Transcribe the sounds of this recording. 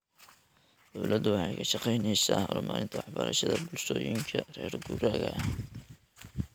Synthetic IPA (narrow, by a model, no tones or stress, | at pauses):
d̪̥ɔwlɐd̪ʊwɑħɑjkʰɐʃɑqɛjnɛjsaːhlɔmaːɾɪnt̪ʰɐwɑħbɐɾɐʃɐðɐbʊlʃɔːjɪŋkʰɐrɛːrɡuːɾaːɣɐ